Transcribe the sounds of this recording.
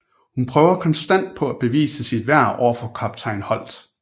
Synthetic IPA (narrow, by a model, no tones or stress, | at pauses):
hunpʰʁœːʊɐkʰɒ̽nsd̥æn̰d̥̚pʰɒ̽æb̥e̝ʋḭːsəsid̥ʋæɐ̰ɒ̰ɐfɒkʰɒ̽b̥̚t͡sʰɑ̈ɪnhɒ̽l̰d̥